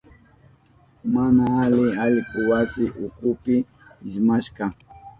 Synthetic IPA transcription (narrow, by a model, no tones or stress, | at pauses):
manaalɪaʎkʊwasɪʔʊkʊpɪ | ɪʒmaʃkɑ